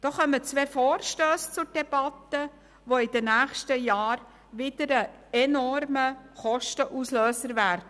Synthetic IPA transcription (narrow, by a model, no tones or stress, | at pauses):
d̥ɔːχœmət͡sʋeːfɔːɾʃtøːst͡sʊɾd̥ɛb̥ɑt̪ə | ʋoɪd̥ənæːχʃtəjɑːɾ | ʋɪd̥əɾə | ɛnɔrməχɔʃtəʔusløːsəɾʋæːɾdə